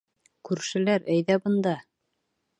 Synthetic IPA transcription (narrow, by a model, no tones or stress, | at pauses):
kʉɾʃɘ̆læɾæjðæbɤ̆nd̪ɑ